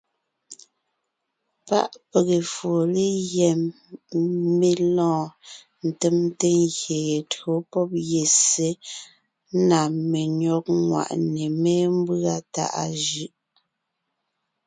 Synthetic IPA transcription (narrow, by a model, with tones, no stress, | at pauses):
pa̰˦ʔpe˨ɣe˨fo˨le˦jɛ˨m | me˦lɔ̃ː˦˨ | n̩˨te˦˨m˦te˦ŋɣje˨e˨to˨˦pɔ˦p̚je˨se˦ | na˨me˨ɲɔ˦k̚ŋwa̰˨ʔne˨me˦m˦bɰa˦˨ta̰˦˨ʔa˦˨ʒɯ˦ʔ